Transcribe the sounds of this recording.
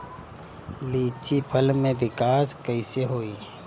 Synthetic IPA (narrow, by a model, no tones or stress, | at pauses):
liːt͡ʃipʰəlmẽbɪkaːskəɪseɦoːiː